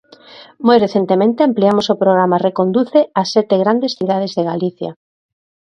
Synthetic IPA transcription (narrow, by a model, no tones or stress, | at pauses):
mojreθent̪emẽnt̪eampliamosopɾoɣɾamarekond̪uθeasːɛt̪eɣɾand̪esθiðað̞ezðeɣaliθja̰